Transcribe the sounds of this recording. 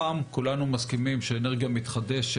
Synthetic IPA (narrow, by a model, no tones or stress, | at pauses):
aːmkulanumaskimimʃeːneʁɡijamit̪χad̪eʃ